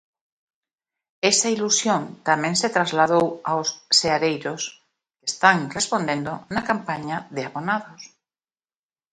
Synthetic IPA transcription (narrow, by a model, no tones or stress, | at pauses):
esailusjõnt̪amẽŋset̪ɾazlaðowawsːeaɾejɾos | kest̪aŋrespond̪ẽnd̪onakampaɲaðeaβonaðos